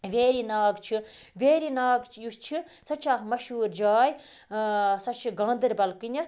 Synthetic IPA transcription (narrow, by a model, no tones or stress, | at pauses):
ʋeːɾinaːɡt͡ʃʰiʋeːɾinaːɡjust͡ʃʰi | sɐt͡ʃʰaːkmɐʃuːɾd͡ʒaːj | sɐt͡ʃʰiɡãːnd̪ɨɾbɐlkinʲɐ